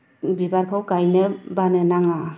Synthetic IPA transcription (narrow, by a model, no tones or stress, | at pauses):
bibaɾkʰɔwkajnɯbanɯnaŋa